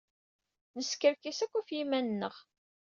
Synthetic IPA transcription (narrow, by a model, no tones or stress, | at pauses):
nəskəɾkisækʷːæfjimænːəʁ